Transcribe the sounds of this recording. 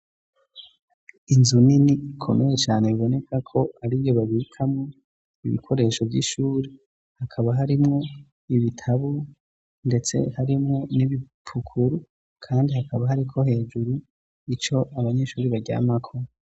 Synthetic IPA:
inzuniniːkʰo̞̰me̞je̞t͡ʃaːne̞βiβo̞ne̞kʰakʰo̞haɾiβjo̞βaβikʰamŋo | iβḭkʰo̞ɾe̞ːʃo̞vjḭʃuːɾi | hakʰaβaɦaɾimŋo̞ | iβitʰaβu | ndet͡se̞̰haɾimŋo̞niβi | pʰukʰuɾu | kʰaːndihakʰaβaɦaɾikʰo̞he̞ːd͡ʒuɾu | it͡ʃo̞ʔaβaɲe̞ʃuːɾiβaɟa̰ːmakʰo

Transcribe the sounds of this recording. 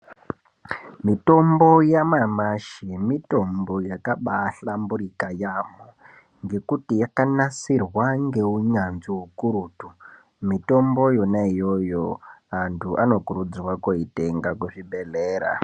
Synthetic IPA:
mito̞mbo̞jamamaʃimito̞mbo̞jakaɓaɬambuɾikajamo | ŋɡe̞kutijakanasirwaŋɡe̞uɲanziɦukuɾuːtu | mito̞mbo̞jo̞naijo̞joantʰuʔano̞kuɾud͡zwakoite̞ŋɡakuʐibʱe̞leːɾa̰

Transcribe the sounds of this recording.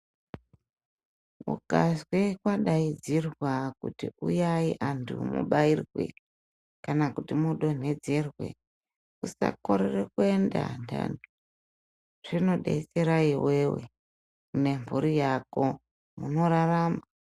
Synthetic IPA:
ṵkazwekwaɗaid͡zirwakutiujaiʔantʰṵmṵɓairwe̞̰ | kanakutimuɗo̞n̤e̞d͡ze̞rwe̞̰ | usa̰ko̞ɾerekue̞nda̰ntʰa̰n | ʐ̥ino̞ɗe̞̰t͡se̞ɾaiwe̞wḛ | une̞mvuɾijako̞ | muno̞ɾaraːma

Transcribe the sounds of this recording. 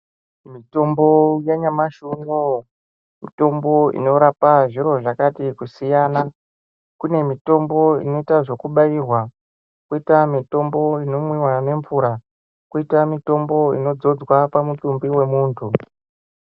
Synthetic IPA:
mito̞mbo̞jaɲamaʃuno | mito̞mbo̞ḭno̞ɾapaʐiɾo̞ʐakatikusijana | kune̞mito̞mbo̞ḭno̞itaʐo̞kuɓairwa | kitamito̞mbo̞ino̞mwiwane̞ɱvuɾa | kuitamito̞mbo̞ḭno̞d͡zo̞d͡zwapamutumbiwe̞muːntʰu

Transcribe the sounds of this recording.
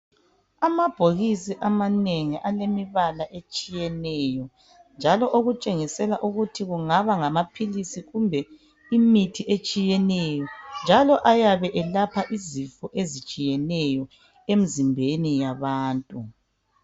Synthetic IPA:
amab̥ʱoɣisiʔamaneŋiʔalemiβalaʔet͡ʃʼijɛnɛjɔ | nd͡ʒʱalɔʔoɣut͡ʃʼeŋisɛlaʔuɣutʰiɣuŋaβaŋamapʰilisiɣumbʱɛ | imitʰiʔet͡ʃʼijɛnɛjɔnd͡ʒʱalɔʔajaβɛʔɛlapʰaʔizifɔʔezit͡ʃʼijɛnɛjɔ | em̩zimbʱenijaβaːntʼu

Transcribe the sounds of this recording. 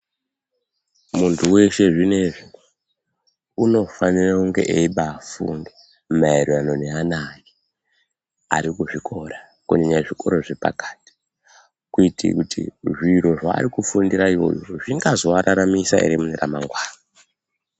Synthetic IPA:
muntʰuwe̞ʃe̞ʐine̞ʐino | uno̞fanirakuŋɡe̞̰ʔeiɓafṵŋɡe | maeɾiano̞neanaːji | aɾikuʐikʰo̞ɾa | kuɲeɲaʐiko̞̰ɾo̞ʐepa̰kḁti̥ | kuitḭkutʰḭʐiro̞ʐa̰ːrikufundiɾaio̞̰jo̰ʐiŋɡazo̞aɾaɾamisa̰ḛɾimuneramaŋɡwaːna

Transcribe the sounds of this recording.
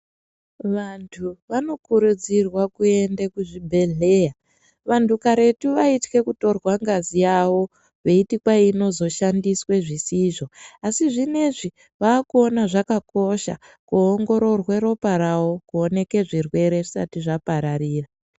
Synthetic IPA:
ʋantʰuʋano̞kuɾud͡zirwakue̞ndekuʐibʱe̞ɮe̞ja | ʋantukaɾe̞tuʋaitwe̞kuto̞rwaŋɡazijaʋo̞ | ʋe̞itikwaino̞zo̞ʃandiswe̞ʐisiʐo̞asiʐine̞ʐi | ʋaːkuonaʐakako̞ʃa̰ | kuoŋɡo̞ɾo̞rwe̞ɾo̞paɾawo̞kuone̞ke̞ʐirwe̞ɾe̞ʐisa̰tiʐapaɾariːra

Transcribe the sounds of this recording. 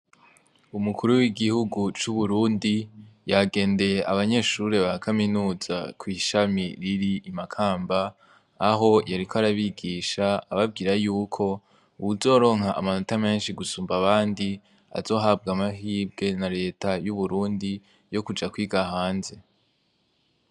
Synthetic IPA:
umukuɾuwiɡihuɡut͡ʃuβuɾuːndijaɡe̞ːnde̞je̞ʔaβaɲe̞ːʃuɾe̞βakʰaminuːz̥a̰kwiːʃamiɾiɾiːmakʰaːmbaː | ɦo̞jaɾikʰaɾaβiɡiːʃaːβab̚ɡiːɾajuːkʰo̞ | uuzo̞ːɾo̞ːŋhaʔːmano̞tame̞ːnʃiɡusuːmbaβaːndi | a̰zo̞ːɦab̚ɡamaɦiːbɡe̞naɾe̞ːtajuβuɾuːndi | jo̞kud͡ʒakwiːɡahaːnze̞

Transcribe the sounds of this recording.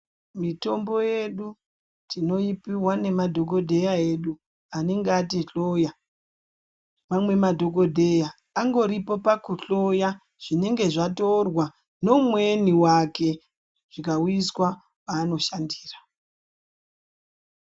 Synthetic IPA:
mito̞mbo̞je̞ɗu | tʰino̞ipiwane̞madʱoko̞dʱe̞jae̞ɗu | ane̞ŋɡeatiɬo̞ja | mamwe̞madʱo̞ko̞dʱe̞jaː | ŋɡo̞ɾipo̞pakuɬo̞ja | ʐ̥ine̞ŋɡe̞ʐatorwa | no̞mwe̞niwake̞ | ʐ̥ikawuiswa | waːno̞ʃandiːrḁ

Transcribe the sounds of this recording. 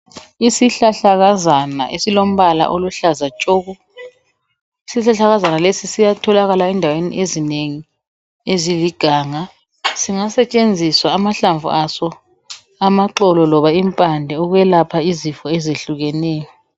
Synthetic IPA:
isiɬaɬaɣazana̰ʔḛsilom̩βala̰ʔoluɬazat͡ʃʼɔːɣɔ | isiɬaɬaɣazanalesisijatʰɔlaɣalaɛndʱawenḭʔezineŋi | eziliɡ̥ʱaːŋa | siŋasɛt͡ʃʼend͡zʱiswaːmaɬaɱvṵasɔ | amaǁɔlɔlɔβaimpʼandʱɛuɣwɛlapʰaizifɔɛzeɬuɣɛnɛːjɔ

